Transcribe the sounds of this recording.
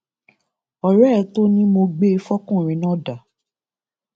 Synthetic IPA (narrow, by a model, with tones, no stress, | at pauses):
ɔ˨ɾɛ˦˧˦to˦nĩ˦mo˧ɡ͡be˦fɔ˦kũ˦˨ɾ̃ĩ˨˦nɔ̃˦˨da˨